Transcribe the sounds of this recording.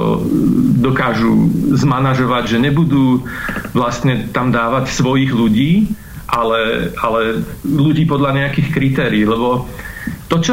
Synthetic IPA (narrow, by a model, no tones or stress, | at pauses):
ɔ̰d̪ɔkaːʒṵzmanaʒɔʋaɟʒɛɲɛbud̪uːʋlast̪ɲɛt̪amd̪aːʋacsʋɔjiːɣluɟiː | ʔalɛalɛluɟiːpɔd̪ʎaɲɛakiːxkɾit̪ɛːɾiːlɛbɔ | t̪ɔt͡ʃɔ